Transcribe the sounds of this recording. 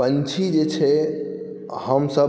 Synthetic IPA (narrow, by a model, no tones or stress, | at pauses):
ənt͡ʃʰid͡ʒet͡ʃʰɛ | həmsə